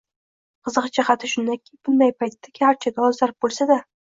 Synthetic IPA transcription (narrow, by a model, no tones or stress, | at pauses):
qʰɨzɨqt͡ʃʰaχɑt̪ʰɪʃʊnd̪akʲʰɪb̥ʊnd̪ajpʰajt̪ʰːakʲʰaɾt͡ʃʰaɡ̪ʲaɒzd̪aɾɪp̚bolˠsad̪a